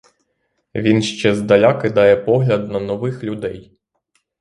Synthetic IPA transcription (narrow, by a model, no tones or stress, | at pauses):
ʋʲinʃt͡ʃɛzd̪ɐlʲakɪd̪ɑjɛpɔɦlʲɐd̪nɐnɔʋɪxlʲʊd̪ɛj